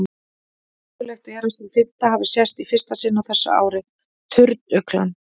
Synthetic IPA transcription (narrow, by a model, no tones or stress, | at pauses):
kʏlɛxt̪aɛɾast̪ɪðθɪt̪ːaɦavɪsjɛst̪ifɪr̥st̪asɪnːawθɛsːa̰a̰ːwɾɪ | t̪ʰʏɾt̪̚nʏkla̰n